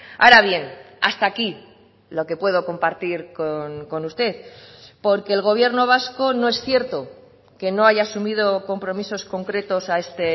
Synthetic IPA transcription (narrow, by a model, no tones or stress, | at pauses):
a̰ɾaβ̞je̞n | a̰st̪aːki | lo̞ke̞pwe̞ð̞o̞ko̞mpaɾt̪iɾkonko̞nust̪e̞θpo̞ɾke̞ːlɣ̞o̞β̞je̞ɾno̞β̞asko̞noe̞sθje̞ɾt̪o̞ | ke̞no̞aʝaːsumið̞o̞ko̞mpɾo̞miso̞sko̞ŋkɾe̞t̪o̞sae̞st̪e̞